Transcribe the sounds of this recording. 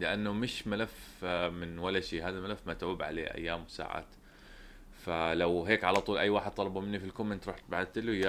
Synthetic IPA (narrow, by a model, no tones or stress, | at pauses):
lɪʔanːʊmɪʃmalaf | mɪnwalːaʃeːɦaːðalmalafːmat̪ʕuːbʕa̰lḛːʔa̰jːaːmwsa̰ːʕa̰ːt̪ | falawɦeːkʕalat̪ˤuːlʔajːwaːħɪd̪̚t̪ˤɑlɑbumɪnːifilkʊmːɪnt̪ɾˤuːħt̪̚bʕad̪̚t̪ɪlja